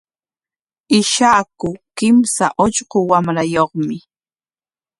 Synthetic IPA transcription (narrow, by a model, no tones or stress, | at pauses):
ɪʃaːkʊkɪmsaʔoʎɢowamɾajoχmɪ